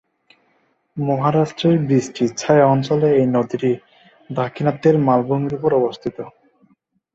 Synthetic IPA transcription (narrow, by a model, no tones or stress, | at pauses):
mɔɦaɾaʃʈɾeɾbɾisʈʰit͡ɕʰaeɔnt͡ɕoleejnod̪ʱiʈi | d̪akʰinat̪ːeɾmalboŋɡiɾupoɾɔbost̪ʰit̪o